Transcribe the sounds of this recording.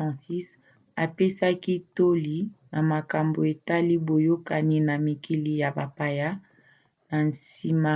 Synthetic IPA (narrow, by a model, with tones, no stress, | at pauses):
ã˨si˦s | a˨pe˦sa˦ki˦to˦li˨na˨ma˨ka˨mbo˨e˨ta˦li˦bo˨jo˦ka˨ni˦na˨mi˨kʰi˨li˨ja˨ba˨pa˨ja˦ | na˨nsi˨ma˦